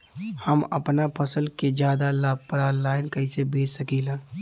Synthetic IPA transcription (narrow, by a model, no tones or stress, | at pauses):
həmɐ̰pnapʰəsəlked͡ʒjaːd̪alaːb̚pəɾalaːɪnkɐisebeːt͡ʃsəkiːlãː